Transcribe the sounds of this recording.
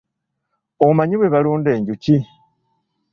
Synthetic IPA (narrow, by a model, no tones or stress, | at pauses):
omaɲiβwe̞βaluːnde̞ːɲɟuci